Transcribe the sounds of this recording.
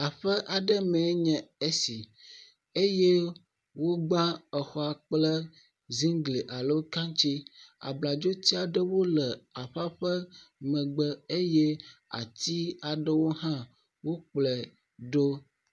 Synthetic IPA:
a˨ɸə˦ʔa˨ɖə˦mɛ̃˨˦ɲɛ̃˨e˦si˨ | e˦je˦ | wo˦ɡ͡bã˦ə˨xɔ˦a˨k͡plə˦ | zi˦ŋɡli˨ʔa˨lə˦wo˦ka˦ŋt͡ʃi˦a̰˨bla˨d͡ʒo˦t̪i˦a˨ɖə˦wo˦lə˨a˨ɸa˦ɸə˦mə̃˨ɡ͡bə˦e˦je˦a̰˨t̪i˦a˨ɖə˦wo˦ɦã˦ | wo˦k͡plɛ˨ | ɖo˦

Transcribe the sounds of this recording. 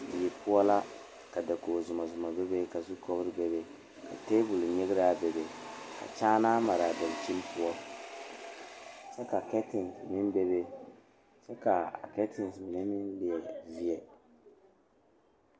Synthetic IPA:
jɛ˨pʊ˦ɔ˦la˦ | ka˨da˨ko˨zʊ˨ma˨zʊ˨ma˨bɛ˦be˦ka˨zʊ˦kɔ˦bɾɨ˦bɛ˦βe˦ | ka̰˨te˦bʊ˨lɲɛ˦ɣɪ˦ɾa˦be˨be˨ka̰˨t͡ʃaː˦naː˦ma˨ɾa˨ba˨lt͡ʃi˦m˦pʊ˦ɔ˦ | t͡ʃɛ˦ka˨kɛ˦tɪ˨nsmɪ˦nbe˦βe˦ | t͡ʃɛ˦ka˨kɛ˦tɪ˨n˨smɪ˨ɛ˦mɪ˦nlɪ˨ɛ˨vi˦ɛ˨

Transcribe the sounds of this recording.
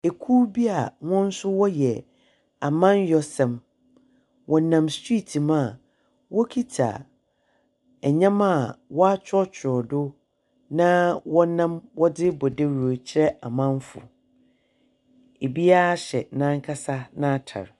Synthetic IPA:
e˨kʰu˦bi˦a˨ŋɔ̃˦n̩˦sʊ˦wɔ˦jɛ˨ | a˨mã˦njɔ˦sɛ̃˨m | wʔɔ˨nã˨mstʰɹi˦tʰi˨mã˦˨ | wɔ˦kʰi˦tʰa̰˨ | ɛ˨ɲã˦mã˦˨wɔ˦a˦t͡ɕʰᶣɔ˦t͡ɕʰɪ˨ɾɔ˨dʊ˦ | nã˦wɔ˦nã˦mwɔ˦dɪ˦bɔ˨de˦ɾu˨o˨t͡ɕʰɪ˦ɾɛ˦a˨mã˦n˦fʊ̰˨ | e˨bi˦a˦ɕɛ˨nã˦ŋ˦kʰa˦sa˦nã˦tʰa̰˨ɾ

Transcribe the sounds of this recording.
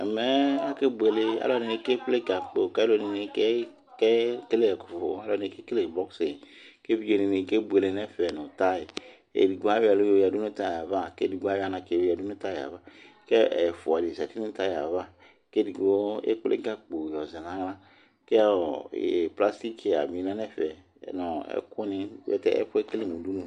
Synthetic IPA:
ɛ̰˨mɛ˦a˦ke˦bu˨e˨le˦a̰˦lɔ˦˨ne˨e˧˦ke˦k͡ple˦ɡa˨k͡po˨kɛ˦lo˧˦˨ni˧ne˨˧˦ke˦ | kɛ˦ke˦le˦ɛ˨ku̥˨fo̰˨a˦lɔ˧˨ne˨ke˦ke˦le˨bɔ˦kse˨ke˦vi˦d͡ʒo˨ne˨ne˨ke˦bu˨e˨le˨nɛ˦fɛ˨nu˨ta˦i˨ | ḛ˨di˨ɡu˨˦a˦wa˨lo˦jo˨ja˨du˦nu˦ta˦ja˨va˦˨ke˦di˨ɡʷa˨˦wa˨na˨ke˨˦a˨du˦nu˦ta˦ja̰˨va˦ | kɛ˦ɛ˨fʊ˨a˨di˨zɛ˨ti˦ĩ˦ta˦ja̰˨va˦ | ke˦di˨ɡo˦ḛ˦k͡plḛ˦ɡa˦k͡po˨jɔ˨zi˨nã˨˦ŋ˦lã˦ | ke˦a̰˦˨pla˦sti˦ke˨a̰˨bi˨˦nã˦nɛ˦fɛ̰˨ | nɔ˨ɛ̰˦kʊ˦nɪ̃˦wɛ̰˨tɛ̰˨ɛ̰˦fʊ˦ɛ˦ke˦le˦mũ˨du˦nũ˨

